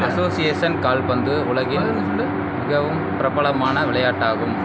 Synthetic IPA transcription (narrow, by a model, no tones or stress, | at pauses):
ɐsoːsɪjeːsɐnkaːlpɐnd̪ɯʊɭɐɣɪ | mɪɣɐʋɯmpɪɾɐbɐɭɐmaːnɐʋɪɭɐjaːʈːaːɣɯm